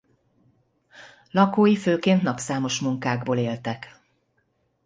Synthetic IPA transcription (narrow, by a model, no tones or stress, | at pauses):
lɒkoːjiføːkeːnt̪nɒpsaːmo̞ʃmuŋkaːɡboːleːlt̪ɛk